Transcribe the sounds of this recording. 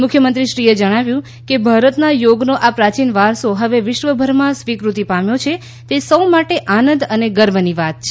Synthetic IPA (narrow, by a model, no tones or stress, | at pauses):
mʊkʰjəmənt̪ɾiʃɾied͡ʒəɽ̃aʋjũ | kebʱaɾət̪najoɡnoʔapɾat͡ʃinʋaɾsoɦəʋeʋɪʃʋəbʱəɾmãsʋikɾut̪ipamjot͡ʃʰe | t̪esəwmaʈeʔanənd̪əneɡəɾməniʋat̪̚t͡ʃʰe